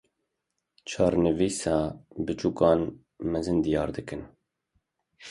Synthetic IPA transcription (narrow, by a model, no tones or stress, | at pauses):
t͡ʃʰɑːɾnɨviːsɑːbɨt͡ʃuːkɑːn | mɛzɨnd̪ijɑːɾd̪ɨkɨn